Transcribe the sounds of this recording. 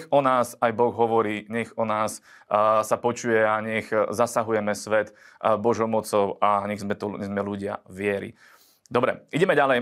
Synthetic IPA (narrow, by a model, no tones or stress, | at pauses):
xɔnaːsajbɔɣɦɔʋɔɾiːɲɛɣɔnaːs | sapɔt͡ʃujɛaɲɛxzasaɦujɛmɛsʋɛt̪ | bɔʒɔʊmɔt͡sɔʊʔaɲɛɣzmɛt̪ɔɲɛzmɛluɟɪa̰ʋɪɛɾḭ | d̪ɔbɾɛ̰iɟɛmɛɟalɛj